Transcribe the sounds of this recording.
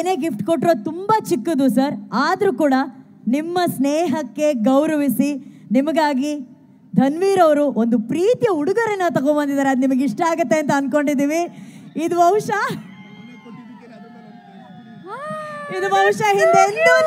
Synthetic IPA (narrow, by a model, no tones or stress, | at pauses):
ne̞ːɡifʈkoʈːiɾoːt̪umbɐt͡ʃikːud̪usɐɾaːd̪ɐɾukuːɽɐ | nimːɐsneːɦɐkːe̞ɡɐwɾɐʋisinimɐɡaːɡi | d̪ʱɐnʋiːɾɐʋɐɾuʔond̪upɾiːt̪ijɐuɽuɡɐɾɛnːɐt̪ɐɡobɐnd̪id̪aːɾeɐd̪unimɐɡiʂʈɐaːɡɐt̪ːe̞ɐnt̪ɐɐnko̞ɳɖid̪iːʋiːd̪ubʱɐwʂɐ | id̪ubʱɐwʃɐɦind̪end̪u